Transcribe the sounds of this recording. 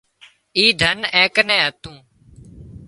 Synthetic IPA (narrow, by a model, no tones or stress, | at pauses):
iːd̪ʱənẽːkənẽːɦət̪ũː